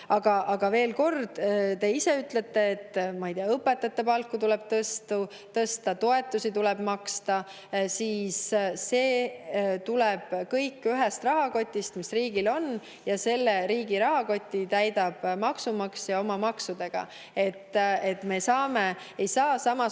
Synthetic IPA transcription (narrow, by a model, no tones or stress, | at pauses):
ɑɡ̥ɑʔɑɡ̥ɑve̞ːlko̞rd̪̥t̪e̞ise̞yt̪le̞t̪ːe̞ːt̪ːmɑijd̪iɑɤpːˑe̞t̪ːˑɑt̪ːe̞pɑlkːˑut̪ulɛb̥̚t̪ɤst̪u | t̪ɤst̪ɑt̪o̞e̞t̪ːˑusit̪ulɛb̥mɑkst̪ɑ | siːsse̞ːt̪uleb̥kɤjkːˑyɦest̪rɑɦɑko̞t̪ʲːist̪misriːɡilo̞n | jɑse̞lːeɾiːɡiɾɑɦɑko̞t̪ʲːit̪æjd̪ɑb̥mɑksumɑksjɑo̞mɑmɑksud̪̥e̞ɡ̥ɑ̰ | e̞t̪ːe̞t̪me̞sɑːme | ejsɑːsɑmɑ